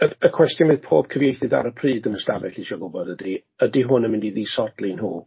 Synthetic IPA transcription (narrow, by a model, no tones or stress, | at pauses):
əəkʰw̥ɛstjɔnvɨð̥pʰoːb̥̚kʰəvjejθɨda̰ɾəpʰriːdənəsta̰vɛɬiʃɔɡʊbɔdədi | ədiɦʊnəmɪndiðiːsɔd̥lˠinhṵː